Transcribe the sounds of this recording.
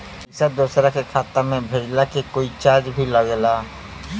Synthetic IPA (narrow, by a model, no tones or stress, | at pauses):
ɪsəd̪uːsɾakekʰaːt̪amẽbʱeːd͡ʒlakekoːit͡ʃaːɾd͡ʒbʱiləɡlaː